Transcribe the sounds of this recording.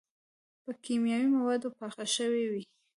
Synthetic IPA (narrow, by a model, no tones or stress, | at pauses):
pəkimjɑwimawɑd̪opɑxaʃəwewi